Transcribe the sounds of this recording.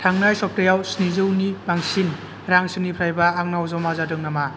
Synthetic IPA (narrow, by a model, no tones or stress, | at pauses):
tʰaŋnajsɔp̚tajawsnizɯwnibaŋsin | ɾaŋsɯnipʰɾajbaːŋ̚nawzɔmazadɯŋnama